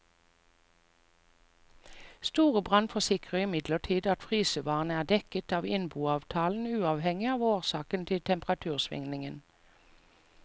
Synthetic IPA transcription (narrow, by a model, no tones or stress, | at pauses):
st̪uːʁəbʁɑnfɔsɪkʁəɪmɪd̪ləʈʰiːd̪ɑt̪fʁiːsəbɑːʁnəæːʁd̪ɛkət̪ɑːʋɪnbuːɑːʋt̪ʰɑːln̩ʉːɑːʋhɛŋɪɑːʋoːʁsɑːkənt̪ʰɪlt̪ʰɛmpʁɑt̪ʰʉːʁsʋɪ̰ŋnɪŋən